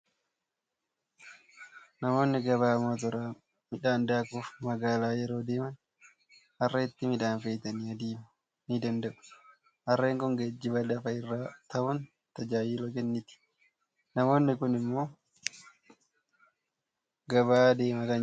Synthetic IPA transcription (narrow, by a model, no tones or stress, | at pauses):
nɐmo̞ːnːɪɡɐβaːmoːt̪̬ɔɾaː | mɪᶑaːnd̪aːkuːfmɐɡaːlaːjɛɾo̞ːd̪eːmɐn | hɐrːɐɪt̪ːɪmɪᶑaːnfeːt̪ɐniɐd̪iːmɐ | nɪd̪ɐnd̪ɐʔʊ̥ | hɐrːeːŋkʊŋɡɐd͡ʒːɪbɐdɐfɐɪrːaːt̪ɐʔʊn | t̪ɐd͡ʒaːjɪlɔkɛnːɪt̪ɪ̥ | nɐmo̞ːnːɪkʊnɪmːo̞ː | ɡɐbaːd̪e̞ːmɐkɐɲ